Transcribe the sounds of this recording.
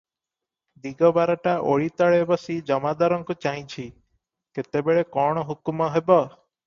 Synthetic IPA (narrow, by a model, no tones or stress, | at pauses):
d̪iɡɔbaɾɔʈaʔo̰ɭit̪ɔɭeebɔsid͡ʒɔmad̪ɔɾɔŋkut͡ʃaj̃t͡ʃʰi | ket̪ebeɭekɔɽ̃ɔɦukumɔɦebɔ